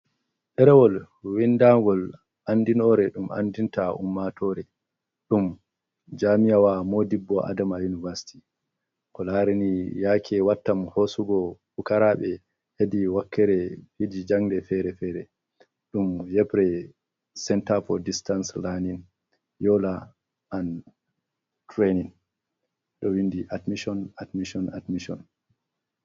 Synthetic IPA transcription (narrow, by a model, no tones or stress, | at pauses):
ɗɛɾɛwɔl | windaŋɡɔl | ʔandinɔɾɛɗumʔa̰ndintaṵmːatɔɾɛ | ɗum | d͡ʒamijawamodibːɔʔa̰damajunivasi̥tʰi | kɔlaɾinijaːkʰɛwatːamhosuɡɔfukaɾaːɓɛ | hediwakʰːɛɾɛhidid͡ʒaŋdɛfɛɾɛfɛɾɛ | ɗumjɛpɾɛ | sɛntafɔdistanslanin | jɔla | ʔan | tɾeniŋ | ɗɔwindiʔatmiʃɔnadmiʃɔnadmiʃɔn